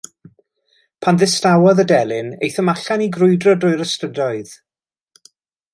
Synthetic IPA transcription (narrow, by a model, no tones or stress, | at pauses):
pʰanðɪstawɔðədɛlˠɪnḛjθəmaɬaniɡrʊɨdrɔdʊɨɾəstədɔɨð